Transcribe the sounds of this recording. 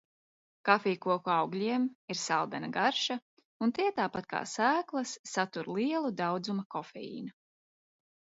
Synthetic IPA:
kafiːkuɔkuawɡlʲiɛmiɾsalˠd̪ɛnaɡaɾʃa | unt̪iɛt̪aːpat̪̚ka̰ːsæːklˠɐsːat̪uɾlˠiɛlˠud̪awd̪zumɐkɔfɛ̰jḭːnu

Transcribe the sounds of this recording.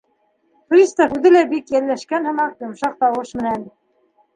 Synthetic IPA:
fɾʲist̪ɑhʉðɘlæbikjælːæʃkænhɤ̆mɑqjŏmʃɑq̚t̪ɑwɤʃmɘ̆næn

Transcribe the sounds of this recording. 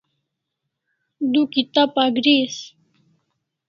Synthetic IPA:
d̪ukit̪apaɡɾis

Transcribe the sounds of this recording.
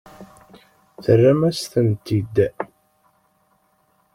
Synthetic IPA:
θərːæmæsθənt̪id̪

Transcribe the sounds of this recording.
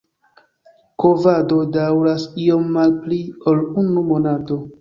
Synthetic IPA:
kovado̞dawɾasio̞mːalplio̞lunumo̞nato̞

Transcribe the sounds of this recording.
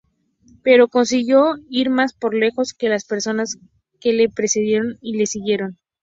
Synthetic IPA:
pe̞ɾo̞ko̞ns̬iɣjo̞iɾmaspo̞ɾle̞xo̞ske̞laspe̞ɾso̞nas | ke̞le̞pɾe̞seðje̞ɾo̞nile̞siɣje̞ɾo̞n

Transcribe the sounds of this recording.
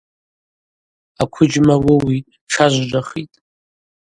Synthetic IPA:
akʷʰʊd͡ʒmawʊwi | ʈ͡ʂʰaʒʷʒʷaχitʼ

